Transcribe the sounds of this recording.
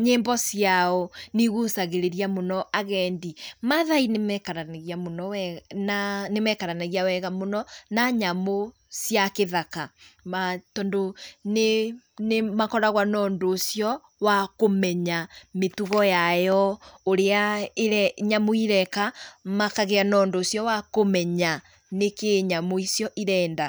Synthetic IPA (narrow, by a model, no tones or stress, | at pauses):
ɲeːmbɔsiaɔniɣusaɣeɾeɾiamonɔaɣɛndimaðainemɛkaɾaɣiamonɔɛnanemɛkaɾanaɣiawɛɣamonɔnaɲamo | sjakeðakamatɔndonenemakɔɾaɣwanɔːndoːsjɔ | wakomɛɲametuɣɔjajɔoɾeaeɾɛɲamoiɾɛkamakaɣeanɔːndoːsjɔwakomɛɲa | nekeɲamoisjɔʔiɾɛːnda